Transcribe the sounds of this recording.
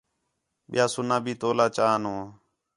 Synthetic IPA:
ɓɪ̰jaːsʊnãːbʱiːt̪oːlaːt͡ʃaːnõː

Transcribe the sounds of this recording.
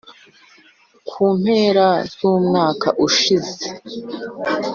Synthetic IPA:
kʰuːm̥he̞ːɾaz̥uːmŋaːka̰ʔuʃize

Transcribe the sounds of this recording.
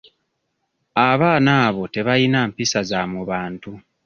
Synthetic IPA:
aβaːnaːβo̞te̞βajinampisazamuβaːntu

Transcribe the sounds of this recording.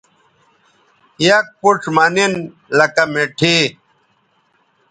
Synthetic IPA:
jɐk̚puʈ͡ʂʰmɐnin | lɐkɐmeʈʰi

